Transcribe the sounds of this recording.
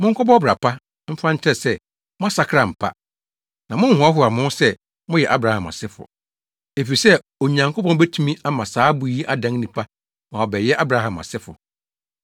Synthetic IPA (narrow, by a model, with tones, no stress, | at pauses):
mʊ̃˦ŋ̩˦kʰʷɔ˦bɔ˦ɔ˦bɾa˨pʰa˦ | m̩˦fã˦ɲ̩˦t͡ɕʰɛ˦sɛ˦ | mʊ̃˦a˦sa˨kʰɾa˨m̩˨pʰa̰˦ | nã˨mʊ̃˦ŋ̩˦hʊ̃˨a˦ɦʊ˦a˨mʊ̃˦sɛ˦ | mʊ̃˦jɛ˨ʔa˦bɾa˨hã˨ma̰˨sɪ˦fʊ̰˨ | e˨fi˨sɛ˦ | o˨ɲã˨ŋkʰpʰɔ̃˦bɛ˦tʰu˦mĩ˦a˦mã˨saː˨˦bʊ˨˦ji˦ʔa˦dã˦ŋnĩ˨pʰa˦ | mã˨ɔ˨bɛ˨jɛ˦ʔa˦bɾa˨˦hã˨ma̰˨sɪ˦fʊ̰˨